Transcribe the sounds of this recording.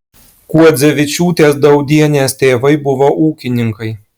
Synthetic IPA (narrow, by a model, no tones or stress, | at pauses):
kuɔd̪zʲɛʋʲɪt͡ʃʲuːt̪ʲeːsd̪ɐʊd̪ʲiɛnʲeːst̪ʲeːʋɐɪbʊʋoːʔuːkʲɪnʲɪŋkɐɪ